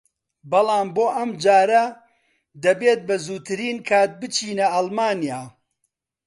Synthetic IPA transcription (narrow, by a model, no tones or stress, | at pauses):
bɐlˠɑːmboːʔɐmd͡ʒaːɾɐ | d̪ɐbeːt̪̚bɐzuːt̪ʰɨɾiːnkʰaːt̪̚bɨt͡ʃʰiːnɐɐlˠmaːnijaː